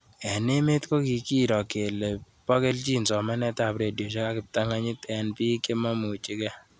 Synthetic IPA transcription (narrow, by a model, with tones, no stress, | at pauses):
ɛ˨ne˦me˦tko˦ki˨ki˦ɾɔ˨ke˨le˨ | pɔ˦ke˦lt͡ʃi˦nsɔ˨mɛ˦nɛ˦ta˨pɾe˨djo˨ʃe˦ka˦kɪ˨p̚ta˦ŋa˦ɲɪ˦tɛ˨npi˦ke˦ma˦mu˨t͡ʃi˦kɛ˦